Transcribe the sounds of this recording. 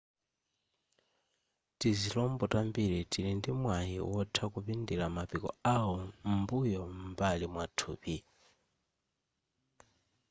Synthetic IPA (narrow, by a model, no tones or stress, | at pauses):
tizilɔmbɔtambiɾitilindimwajḭwɔtʰakupindiɾamapikɔ̰awɔmbujɔmbalimwatʰupi